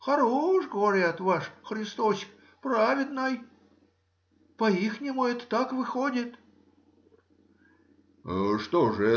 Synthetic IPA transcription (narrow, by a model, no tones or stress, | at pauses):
xɐɾoʂɡəvɐɾʲat̪vaʂxɾʲɪst̪osʲk | pɾavʲɪd̪nəj | pɐixnʲɪmʊɛt̪ə̥t̪akvɨxodʲɪt̪ | ʂt̪oʐɨ